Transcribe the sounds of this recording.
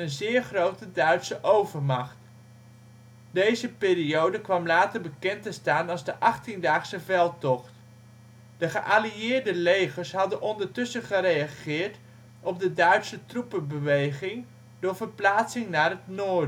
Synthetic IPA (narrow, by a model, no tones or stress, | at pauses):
ənzɪːɹχrowtədœɥtsəʔowvəɹmɑχt | dejzəpɪːriowdəkʋɑmlaːtəɹbəkɛntəstaːnɑlˠzdəʔɑχtindaːχsəvɛlˠtɔχt | d̥əχəʔaliɪːɹdəlejχəɹsɦɑdənʔɔndəɹtʏsəχəɾejaχɪːɹt | ʔɔb̚dədœɥtsətrupəbəʋejχɪŋ | dʊːɹvəɹplaːtsɪŋnaːrɦətnoːdə